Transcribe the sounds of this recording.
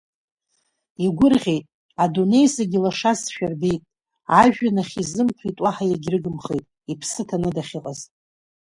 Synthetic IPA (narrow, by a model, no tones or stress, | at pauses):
iɡʷʊrʁʲejtʼ | adune̞jsaɡʲilaʂazʃᶣarbe̞jtʼ | aʒᶣanaχʲizɨmpʰitʼwaħajaɡʲrɨɡɨmχejtʼ | ipʰsɨtʰanɨdaχʲiqʼaztʼ